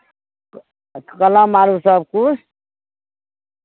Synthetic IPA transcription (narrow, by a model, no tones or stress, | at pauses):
kʌlãmaɾusʌb̚ku